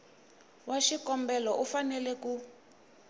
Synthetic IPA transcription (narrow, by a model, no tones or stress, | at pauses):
waʃikɔmbɛlɔʔufanɛlɛku